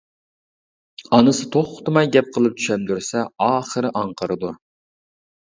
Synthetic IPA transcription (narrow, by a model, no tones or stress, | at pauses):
ɑnɨsɨt̪ʰoχʰʊ̥t̪ɨmɑjɡʲɛp̚qʰəlˠɨp̚t̪ʰy̥ʃɛmd̪yɾsɛɑːχəɾɨʔɑɴqʰəɾɨd̪u